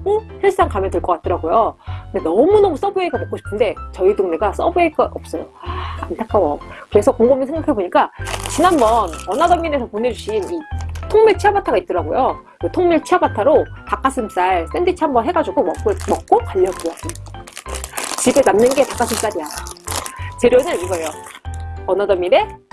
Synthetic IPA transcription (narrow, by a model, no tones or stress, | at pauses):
koçʌɭs͈aŋkamjʌtɯɭk͈ʌk͈at͈̚ʌɾaɡojokɯndenʌmunʌmus͈ʌbɯeɡamʌk͈oɕʰi̥pʰɯnde̞t͡ɕʌidoŋneɡas͈ʌbueɡaʔʌp̚s͈ʌjoantʰak͈ʰawʌkɯɾe̞sʰʌkoŋɡomɯsʰe̞ŋɡakʰeboɲik͈at͡ɕinanbʌnʌnadʌŋːine̞sʰʌpone̞d͡ʑuɕʰinitʰoŋmiɭt͡ɕʰiabatʰaɡait̚t͈ʌɾaɡojo | otʰoŋmiɭt͡ɕʰiabatʰaɾotak͈as͈ʰɯms͈aɭs͈endit͡ɕʰiɦambʌnɦe̞ɡad͡ʑuɡomʌɯmʌk̚k͈okwaʎːʌpuasʰɯ | t͡ɕibenamnɯnɡe̞tak͈as͈ʰɯms͈aɾija | t͡ɕe̞ɾjʌnɯɾiɡʌejo | ʌnadʌmːine̞